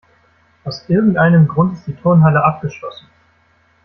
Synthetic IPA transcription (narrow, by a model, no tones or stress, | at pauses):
ʔaʊsʔɪɐɡŋ̩tʔaɪnəmɡʁʊntɪst̚d̥iːtʰoːnɦaləʔap̚ɡ̥əʃlɔsn̩